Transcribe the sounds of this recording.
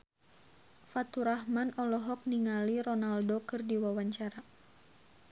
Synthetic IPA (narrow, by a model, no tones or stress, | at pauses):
fat̪uɾahmanɔlɔɦɔk̚niŋalirɔnaldokɨrdiwawaɲt͡ʃaɾa